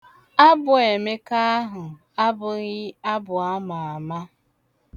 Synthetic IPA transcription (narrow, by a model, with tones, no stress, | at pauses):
a˦bʊ˨e˨me˦ka˦ɦʊ˨ | a˦bʊ˨ɣɪ˦a˦bʊ˨a˦ma˨a˨ma˦